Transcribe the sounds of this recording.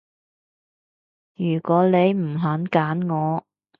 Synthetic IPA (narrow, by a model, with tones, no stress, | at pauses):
jyː˨˩kɔː˨˥le˨˧jm̩˨˩ɦaː˨˥nkaː˨˥nŋɔː˨˧